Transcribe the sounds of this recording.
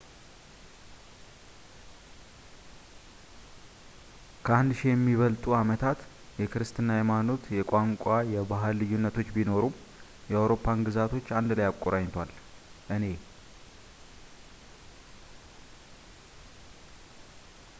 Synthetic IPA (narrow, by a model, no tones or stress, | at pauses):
kʰəand̪ʃijɛmːiβəlt̪ʼuamət̪ʰat̪ | jɛkʰɨɾɨst̪ʰɨnːajɛmano̞t̪jɛkʷʼaŋkʷʼajɛbaɦɨlːɨjːunːət̪ʰo̞t͡ʃːbino̞ɾu | jɛawɾo̞pʰːanɡɨzat̪ʰo̞t͡ʃːand̪lajakʼːoɾaɲt̪ʰwalʔɨne̞